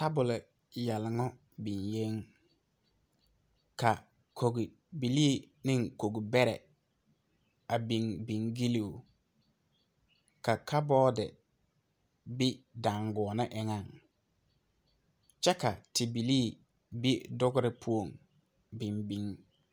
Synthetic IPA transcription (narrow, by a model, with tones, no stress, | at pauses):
ta˦bʊ˨lɪ˨ | jɛ˨lŋɔ˦ | bi˨nje˦ŋ | ka˨ | kʰo˨ɡi˨ | bi˨liː˦ | nɪ˦ŋko˨ɡi˨bɛ˦ɾɛ̰˨ | a˨bi˨ŋbi˨ŋɡi˦li˦˨u˨ | ka˨kʰa˦bɔː˦dɪ̰˨ | bɪ˦da˨ŋɡɔ˨nɪ˦ʔɪ˨ŋa˦ŋ | t͡ʃɛ˦ka˨tɪ˨bi˨liː˦˨ | bi˦dʊ˦ɡʊ˦ɾɪ˦pʰu˦o˨ŋ | bɪ˨mbi˨ŋ